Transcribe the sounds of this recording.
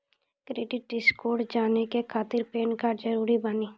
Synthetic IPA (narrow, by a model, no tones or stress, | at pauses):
kɾeːɖɪʈ̚ɖɪskoːɾɖd͡ʒaːnekekʰaːt̪ɪɾpeːnkad͡ʒəɾuːɾibəniː